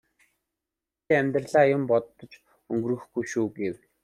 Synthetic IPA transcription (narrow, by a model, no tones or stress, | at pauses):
eæmʲt̪rəɮaːjʊmpɔt̪ːɞ̆t͡ɕ | ɵŋɡɵ̆rɘ̆xɡujʃuːɡew